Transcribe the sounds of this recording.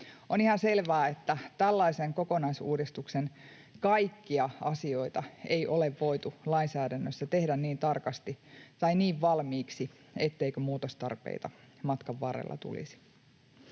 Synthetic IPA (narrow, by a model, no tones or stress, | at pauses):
onihɑnse̞lʋæːet̪ːæt̪ælːɑiseŋko̞konɑisṵːdist̪uksen | kɑikːiɑɑsio̞it̪ɑejʔo̞leʋːo̞it̪ulɑinsæːdænːøsːæt̪e̞hdænniːnt̪ɑrkɑst̪it̪ɑiniːʋʋɑlmiːksi | et̪ːeikømuːt̪ost̪ɑ̰rpḛit̪ɑmɑt̪kɑʋːɑrḛlːɑ̰t̪ṵlḭsi̥